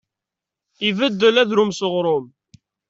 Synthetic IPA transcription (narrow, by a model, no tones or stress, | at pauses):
ivəd̪ːəlæðɾumsəʁɾˤʊm